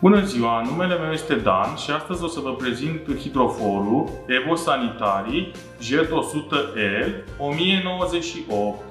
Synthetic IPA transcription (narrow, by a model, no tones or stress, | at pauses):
b̥unənziwanume̞le̞me̞wje̞st̪e̞d̪a̰nʃiast̪əzʲo̞səvəpɾe̞zint̪ɨhid̪ɾo̞fo̞ɾue̞vo̞sanit̪aɾi | ʒet̪o̞sut̪əʔel | o̞mije̞no̞wəze̞ʃiʔop̚t̪